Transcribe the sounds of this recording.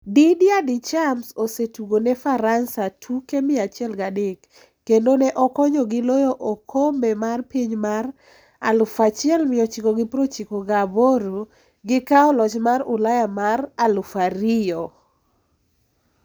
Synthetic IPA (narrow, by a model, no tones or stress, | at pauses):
didjadit͡ʃamsosetuɡonɛfaɾansatʰukemɪat͡ʃɪɛlɡadɪkː | endonɛʔɔkɔɲɔɡɪlɔjɔʔɔkʰombemarpiɲmar | a̰lʊfat͡ʃjɛlmɪɔt͡ʃikoɡɪpɾot͡ʃikoɡaboɾo | ɡɪkaɔlɔt͡ʃmarʊlajamaɾalʊfaɾɪjɔ